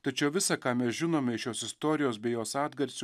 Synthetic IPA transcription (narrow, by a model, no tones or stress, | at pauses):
t̪ɐt͡ʃʲɛʊʋʲɪsɑkɑːmʲɛsʒʲɪnoːmʲɛɪʃjoːsɪst̪oːɾʲɪjoːsbʲɛɪjoːsɑːd̪ɡɐɾʲsʲ